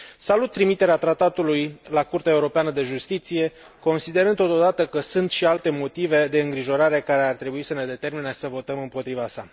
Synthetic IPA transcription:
salut̪ːɾimit̪e̞ɾeat̪ɾat̪at̪ulujlakurt̪eaeuɾo̞peanəd̪e̞ʒust̪it̪sije̞ | ko̞nsid̪e̞ɾɨnd̪t̪o̞t̪od̪at̪əkəsunt̪ʃialt̪e̞mo̞t̪ive̞d̪e̞ɨŋɡɾiʒo̞ɾaɾe̞kaɾe̞art̪ɾe̞buisəne̞d̪e̞t̪e̞rminesəvo̞t̪əmɨmpo̞t̪ɾivasa

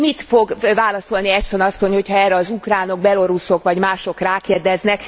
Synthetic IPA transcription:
mit̪fo̞ɡvaːlɒso̞lniɛʃt̪o̞nɒsːo̞ɲho̞chɒɛːrːɛɒzukraːno̞ɡ̚bɛlo̞ɾuso̞kʋɒɟmaːʃo̞kraːkeːrd̪ɛznɛk

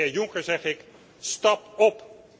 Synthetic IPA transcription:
ɪjʊŋkəɹzɛχɪk | stɑpɔp

